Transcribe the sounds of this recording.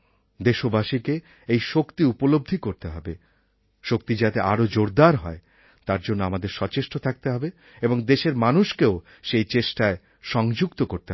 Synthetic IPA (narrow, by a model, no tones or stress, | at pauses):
d̪eʃobaʃike | ejʃokt̪iupolob̚d̪ʱikoɾt̪eɦɔbe | ʃok̚t̪id͡ʑat̪eʔaɾod͡ʑoɾd̪aɾɦɔe | t̪aɾd͡ʑonːoamad̪eɾʃɔt͡ɕeʃʈot̪ʰak̚t̪eɦɔbe | eboŋd̪eʃeɾmanuʃkeo | ʃejt͡ɕeʃʈae | ʃɔŋd͡ʑuɡt̪okoɾt̪e